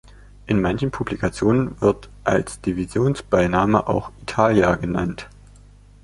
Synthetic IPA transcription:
ʔɪnmançn̩pʰublikat͡sjoːnənvɪɐtʔa̰lsd̥ivizjoːnsb̥aɪnaːməʔa̰ʊxitʰaːljaɡəna̰nt

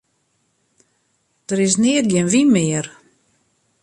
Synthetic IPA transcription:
d̥əɾɪs̬nɪːət̚ɡɪnʋimɪər

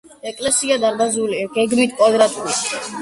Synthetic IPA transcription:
ɛkʼlɛsiad̪aɾb̪azuliɡ̥ɛɡmit̪ʰkʼwad̪ɾat̪ʼuli

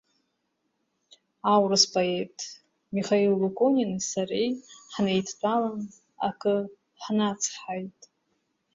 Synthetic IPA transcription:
awrɨspʼaetʰʼ | miχailːokʷʼoninisarejħnejtʰtʷʰʼalan | a̰kʰʼɨ | ħnat͡sʰħajtʼ

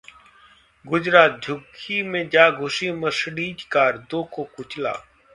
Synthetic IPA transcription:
ɡʊd͡ʒɾaːt̪̚d͡ʒʱʊɡʰimẽd͡ʒaːɡʱʊsiːməsɽiːd͡ʒkaːɾd̪oːkoːkʊt͡ʃla̰ː

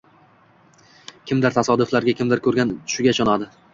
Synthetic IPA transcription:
kʲʰɪmd̪ɪɾt̪ʰasɒd̪ʊflaɾɡʲakʲɪmd̪ɪɾkʰɵɾɡʲant̪ʰʊ̥ʃɪɡʲat͡ʃʰɒnad̪ɪ

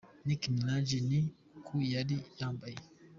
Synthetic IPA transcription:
nikimilad͡ʒini | kʰujadijãmbai

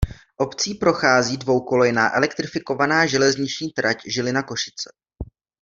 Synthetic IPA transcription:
ʔo̞pt͡siːpɾo̞xaːziːdvo̞wkolojɪnaːʔɛ̰lɛk̚t̪ɾɪfɪko̞vanaːʒɛlɛzɲɪt͡ʃɲiːt̪ɾacʒɪlɪnako̞ʃɪ̥t͡sɛ̥

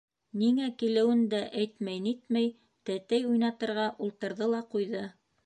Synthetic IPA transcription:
niŋækilɘ̆wɘnd̪æʔæjt̪mæjnit̪mæj | t̪æt̪æjujnɑt̪ɤ̆ɾʁɑʔulˠt̪ɤ̆ɾðɤlˠɑqujðɤ

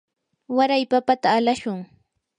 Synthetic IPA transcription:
waɾajpapat̪aːlaʃʊŋ

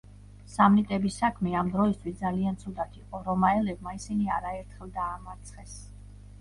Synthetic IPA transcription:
samnit̪ʼɛbisakʰmɛamd̪ɾɔist̪ʰwisd̪zaliant̪sʰud̪at̪ʰiqʼɔɾɔmaɛlɛbmaisiniaɾaɛɾt̪ʰχɛlˠd̪aːmaɾt̪sʰχɛs

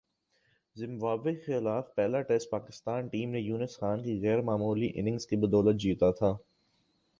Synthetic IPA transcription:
zɪ̃mbaːbexɪlaːfpɛːlaʈɛsʈ̚paːkɪst̪aːnʈiːmnejuːnɪsxaːnkiɣɛːɾmaːmuːliʔɪ̰nɪ̃ŋɡz̥kibɐd̪ɔːlət̪̚d͡ʒiːt̪at̪ʰaː

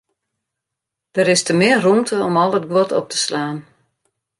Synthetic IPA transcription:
d̥əɾɪstəmɪərrumtʰəɔmɔlˠət̚ɡʋɔtʰɔp̚tʰə̥slaːn

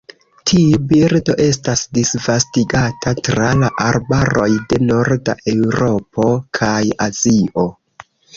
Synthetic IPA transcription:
tʰiubiɾdo̞ʔe̞stasdisvastiɡatʰatɾalaʔaɾbaɾo̞jde̞no̞ɾda̰ʔe̞wɾo̞po̞kʰajaziʔo̞

